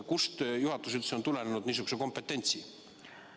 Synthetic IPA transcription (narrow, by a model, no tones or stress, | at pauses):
kust̪juhɑt̪ːˑus̬et̪seo̞nt̪ule̞nenud̪niːsyɡ̥ku̥seko̞mpːe̞t̪ːˑe̞nʲt̪si